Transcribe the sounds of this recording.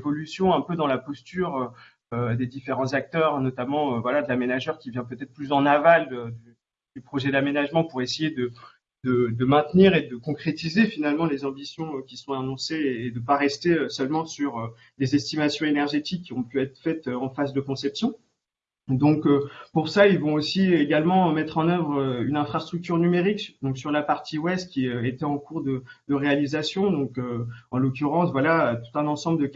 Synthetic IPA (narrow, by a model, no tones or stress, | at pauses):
vɔlysjɔ̃ɛ̃pød̪ɑ̃lapɔst̪yʁø | ød̪ed̪ifeʁɑ̃zak̚t̪œʁnɔt̪amɑ̃øvwalad̪əlamenaʒœʁkʲivjɛ̃pøt̪ɛt̪̚χplysɑ̃navaləd̪y | d̪̥ypχɔʒɛd̪amenaʒmɑ̃puʁesejed̪ə | d̪əd̪əmɛ̃t̪niʁed̪əkɔ̃kχet̪izefinalmɑ̃lezɑ̃bisjɔ̃kʲisɔ̃anɔ̃seːd̪əpaʁɛst̪eøsœlmɑ̃syʁø | d̪ezɛst̪imasjɔ̃enɛʁʒet̪ikʲːiɔ̃pyɛt̪χəfɛt̪øɑ̃fazd̪əkɔ̃sɛpsjɔ̃ | d̪ɔ̃køpuʁsailvɔ̃osieɡalmɑ̃mɛt̪χɑ̃nœvʁøynɛ̃fχast̪χyk̚t̪yʁnymeʁikd̪ɔ̃ksyʁlapaʁt̪ʰiwɛst̪̚kʲiøet̪ɛɑ̃kuʁd̪əd̪əʁealizasjɔ̃d̪ɔ̃køɑ̃lokʲyʁɑ̃svwalat̪u̥t̪ɛ̃nɑ̃sɑ̃bləd̪ə